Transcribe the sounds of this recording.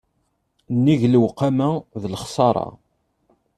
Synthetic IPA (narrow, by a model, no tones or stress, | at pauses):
nːiʝlwqːamæðlχsˤɑɾˤɑ̰